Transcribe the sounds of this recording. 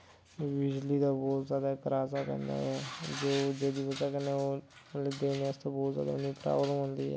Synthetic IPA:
ʋɪd͡ʒliːd̪aːbɔːt̪zjaːd̪aːkəɾaːsaːpɛ̰̃ːnd̪a̰ːɛːd͡ʒoːd͡ʒeːd̪iːʋəd͡ʒaːkəneoːled̪eːnːst̪õːbɔːt̪zja̰ːd̪a̰ːʊnĩːpɾa̰ːblmɦõnd̪iːɛ̰ː

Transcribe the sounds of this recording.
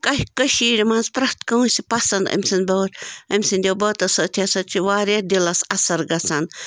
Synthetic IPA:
kɐhʲkɐʃiːɾʲimɐnzpɾɐht̪kɐwusʲipɐsɐnd̪ɐ̰mʲsʲɐnbɐwɾʲɐmʲsind̪ʲɐwbɐːt̪ɐsɐt̪ʰʲɐsɐt͡ʃʰiʋaːɾʲɐd̪ʲilɐsɐsɐɾɡɐsɐn

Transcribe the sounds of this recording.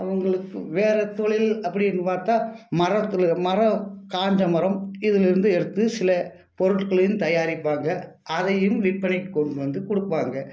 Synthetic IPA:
ɐʋɐŋɡɐɭɯkːɯʋeːɾɐt̪ɔɭɪlɐpːɐɽɪɪnɯpaːɾt̪aːmɐɾɐt̪ːɯlmɐrɐkaːɲd͡ʒɐmɐɾɐmɪðɪlɪɾɯnd̪ɯɛɽɯt̪ːɯsɪlɐ | pɔɾɯʈkɐɭɐjɯmt̪ɐjaːɾɪpːaːŋɡɐ | ʔɐðɐjɯmʋɪʈ̚pɐnɪʈːɯkːɔɳɖɯʋɐnd̪ɯkɔɽɯpːaːŋɡɐ

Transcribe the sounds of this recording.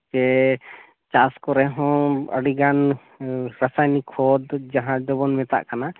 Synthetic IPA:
t͡ʃɛ | t͡ʃaskɔɾɛɦɔ̃ə̰ɖiɡan | ɾasajnikʰɔd̪d͡ʒaɦãd͡ʒɔbɔnmɛt̪a̰ʔkana

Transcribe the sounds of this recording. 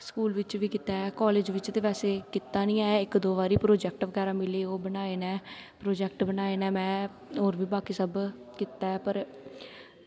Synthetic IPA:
skuːlʋɪt͡ʃʋiːkɪt̪aːɛːkɔːleːd͡ʒʋɪt͡ʃt̪eːʋɛːseːkɪt̪ːaːnĩːɛ̃ːɪkd̪oːʋaːɾiːpɾoːd͡ʒɛːk̚ʈʋəɡɛːɾaːmɪleːoːbənaːeːnɛːpɾoːd͡ʒɛːkʈbənaːeːnɛ̃ːmɛ̃ː | ɦoːɾʋiːbaːkiːsəb | kit̪aːɛːpəɾ

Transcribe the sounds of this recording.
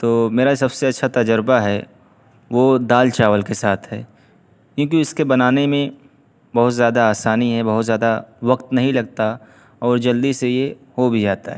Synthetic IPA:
t̪oːmeːɾasɐbseɐtːʃʰat̪ɐd͡ʒəɾbaɦɛ | ʋod̪aːlt͡ʃaːʋəlkesaːt̪ʰɦɛ̰ː | kjõːk̬iʊskebɐnaːnemẽ | bɐɦʊt̪zjaːd̪aːsaːniɦɛbɐɦʊt̪zjaːd̪aʋɐqt̪nɐɦĩlɐɡ̚t̪a | ɔːɾd͡ʒɐld̪isejehobʱid͡ʒaːt̪a̰ɦɛː

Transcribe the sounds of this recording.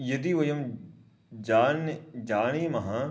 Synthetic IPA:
jɐd̪iːʋɐjɐm | d͡ʒaːnd͡ʒaːɽ̃iːmɐɦã

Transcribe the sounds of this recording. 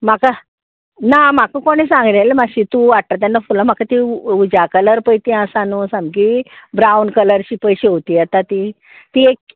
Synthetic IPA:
m̤aka | nam̤akəkoɽ̃isãŋɡlelemaɕit̪ũʋaʈ̚t̪at̪̬anːafulam̤akat̪iud͡ʑakələɾpəjt̪iãsanũsãmkibɾawnkələɾt͡ɕiːpəjɕeot̪iːjɛt̪at̪i | t̪iek̚

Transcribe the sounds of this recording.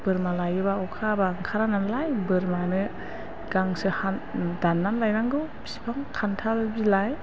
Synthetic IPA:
b̥ɯɾmalajɯbaɔwkʰabaŋkʰaɾananlajbɯɾmanɯ | ɡ̥aŋsɯhandanːanlajnaŋɡɯwbi̥si̥pʰaŋkʰantʰalɯbilaj

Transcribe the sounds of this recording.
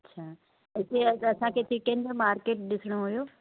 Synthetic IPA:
ɐtːt͡ɕʰaː | ɦɪt̪eɐɐsãkʰet̪ʰikẽːnd̪ɾəmaːɾkeːʈ̚ɗɪsɪɽ̃oɦʊjoː

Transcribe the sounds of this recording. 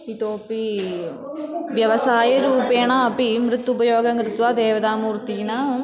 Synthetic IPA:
it̪oːpi | ʋjɐʋɐsaːjɐɾuːpeːnãːɐpimɾɯt̪ːubɐjoːɡɐŋɾɯt̪ːʋaːd̪eːʋɐðaːmuːɾt̪ːiːnaː

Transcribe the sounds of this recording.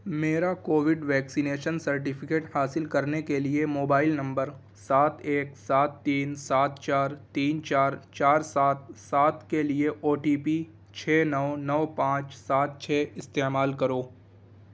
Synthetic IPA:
meːɾakoːʋɪɖʋɛːksineːʃənsɐɾʈ̬ɪpʰɪkeːʈhaːsɪlkɐɾnekeliemoːbaːɪlnɐ̃mbəɾ | saːt̪ʰeːksaːt̪ːiːnsaːt̪t͡ʃaːɾt̪iːnt͡ʃaːɾt͡ʃaːɾsaːt̪̚saːt̪kelieʔoːʈiːpi | t͡ʃʰɛːnɔʋnɐʋpãːt͡ʃsaːt̪̚t͡ʃʰɛːɪst̪eːmaːlkɐɾoː

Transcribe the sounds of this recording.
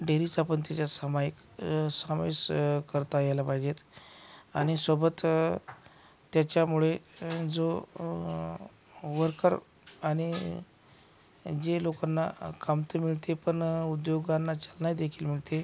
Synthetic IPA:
ɖeɾiːt͡sapəɳt̪at͡ɕjasəmajik | samḛskəɾt̪ajalapaid͡ʑet̪ | aɽ̃isəbət̪ | t̪jat͡ɕjamuɭed͡zo | ʋəɾkəɾ | aɽ̃i | d͡ʑelokanːakamt̪əmiɭt̪epəɳud̪joɡanːat͡ɕalnajd̪ekʰiːlmiɭt̪e

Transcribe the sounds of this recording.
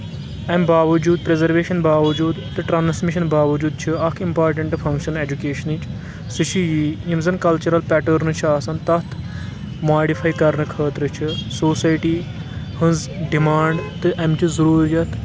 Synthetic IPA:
ɐmbaːʋɐd͡ʒuːd̪̚pɾezɐɾʋeːʃɐnbaːʋɐd͡ʒuːd̪t̪ɨʈɾaːnsmiʃɐnbaːʋɐd͡ʒuːd̪̚t͡ʃʰiɐkʰimpaːɾʈɐɳʈfʰɐ̃ŋkʃɐned͡ʒukeːʃɐnit͡ʃ | sɨʃʰijiimzɐnkɐlt͡ʃɐɾɐlpɛʈɐɾnɨt͡ʃʰiaːsɐnt̪ɐt̪ʰ | maːɖifʰɐːjkɐɾnɨkʰɐːt̪ɾɨt͡ʃʰisoːsaːjʈiːhɨ̃nzɖimaːɳɖt̪ɨʔɐmt͡ʃizɐɾuːɾijɐt̪

